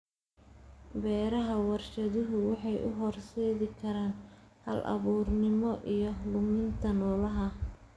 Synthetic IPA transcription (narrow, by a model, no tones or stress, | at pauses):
bɛːɾɐɦɐwɑrʃɐðɪɦʊwɑħɑjʔʊɦɔrsɛːðɪkʰɐɾaːnhɐlʔɐ̰βuːrnɪmɔʔijɞlʊmɪnt̪ʰɐnɔːlɐɦɐ